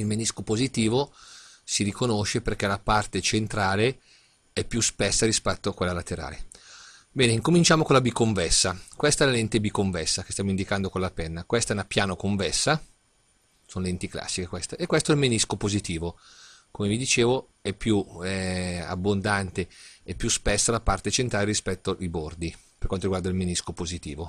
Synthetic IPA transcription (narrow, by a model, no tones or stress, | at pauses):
ilmeniskopozit̪iːvosiɾikonoʃeperk̟ɛlapart̪et͡ʃent̪ɾaːle | ɛpːjuspɛsːaɾispɛt̪ːoakwelːalat̪ːeɾa̰ːle | bɛːneiŋkomint͡ʃaːmokolabikːoɱvɛsːakwɛst̪aɛlalent̪ebikːoɱvɛsːakest̪jamoind̪ikand̪okolapɛnːakwɛst̪aɛnapjaːnokoɱvɛsːa | sonlɛnt̪ikla̰sːikekwɛst̪aʔekːwɛst̪oɛlmeniskopozit̪iːvo | komevid̪it͡ʃeːvo | ɛpːjuɛa̰bːond̪ant̪eɛpːjuspɛsːalapart̪et͡ʃent̪ɾaːlerispɛt̪ːoʔibord̪i | perkwant̪oɾiɡward̪ailmeniskopozit̪iːvo